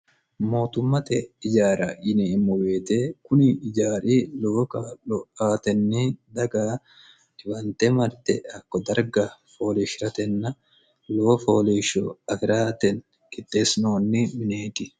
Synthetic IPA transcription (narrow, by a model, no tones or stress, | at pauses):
mo̞ːt̪ʊmːɐt̪ɛɪd͡ʒaːɾɐʔɪnemːɔweːt̪eːkʊnɪɪd͡ʒaːɾiːloːkaːlɔaːt̪ɛnːid̪ɐɡa | dɪwɐnt̪ɛmɐɾt̪ːɛɐkːɔd̪ɐɾɡɐfo̞ːlɛʃɾɐt̪ɛnːɐ | lo̞ːfo̞ːleʃɔ̰ɐfɪɾaːt̪ɛn | kɪt̪ːeːsnoːnːɪmɪneːt̪ɪ